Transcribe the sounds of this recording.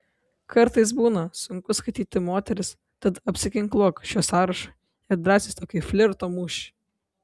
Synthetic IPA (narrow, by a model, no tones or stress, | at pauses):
kʰɐɾt̪ɐɪs̬buːnɐsʊŋkʊskɐɪt̪ʲiːt̪ʲɪmoːt̪ʲɛɾʲɪs | t̪ɐt̪ɐpʲsʲɪkʲɪŋklˠoːkʃʲoːsɑːɾɐʃɐ | ɪɐd̪ɾɑːsʲɪːst̪oːkʲɪfʲlʲɪɾt̪oːmuːʃʲɪ̥